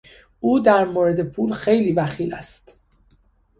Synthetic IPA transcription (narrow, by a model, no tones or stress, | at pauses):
uːd̪æɾmoːɾed̪e̞pʰuːlxe̞jliːbæxiːlæ̰st̪